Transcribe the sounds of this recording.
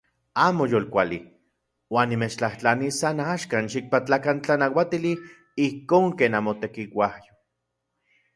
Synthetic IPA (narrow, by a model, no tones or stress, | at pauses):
aːmojoːlkʷalḭ | waːnːimet͡ʃt͡ɬaht͡ɬanisanaʃkanʃik̚pat͡ɬakant͡ɬanawat̪ili | ihkoːŋkeːnamot̪ekiwahjo̥